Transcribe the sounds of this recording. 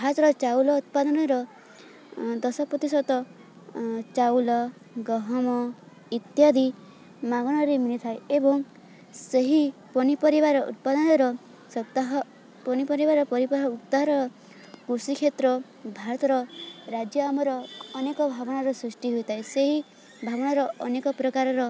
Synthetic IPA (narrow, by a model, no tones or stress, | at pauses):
bbʱaɾɔt̪ɔɾɔt͡ʃawlɔut̪̚pad̪ɔnɔɾɔ | d̪ɔsɔpɔt̪isɔt̪ɔ | t͡ʃawlɔ | ɡɔɦɔmɔ | it̪jad̪i | maɡɔɽ̃ɔɾimilit̪ʰajebɔŋ | seɦipɔnipɔɾibaɾɔṵt̪̚pad̪ɔnɔɾɔ | sɔt̪aɦɔ | pɔnipɔɾibaɾɔpɔɾibaɦɔut̪ːaɦɔɾɔɾɔ | kusikʰet̪ɾɔ | bʱaɾɔt̪ɔɾɔɾad͡ʒjɔamɔɾɔːnekɔbʱabɔɽ̃aɾɔsɾisʈiɦujt̪ʰajseɦi | bʱabɔɽ̃aɾɔʔɔnekɔpɾɔkaɾɔɾɔ